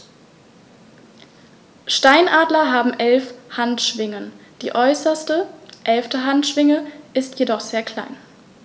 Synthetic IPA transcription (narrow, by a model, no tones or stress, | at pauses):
ʃtaɪnʔaːdlɐɦaːbm̩ʔɛlfhantʃv̥ɪŋənd̥ḭːʔɔʏsɐstəʔɛlftəɦantʃv̥ɪŋəʔɪstʰjedɔχz̥eːɐkʰl̥a̰ɪn